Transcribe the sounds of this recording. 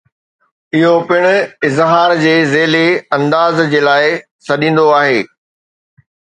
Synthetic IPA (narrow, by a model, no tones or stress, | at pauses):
ɪɦopɪɽ̃ʊ̆ɪzɦaːɾd͡ʑeːzeːleɐ̃nd̪aːzd͡ʑeːlaːɪ | sɐɗĩːn̆d̪oaːɦeː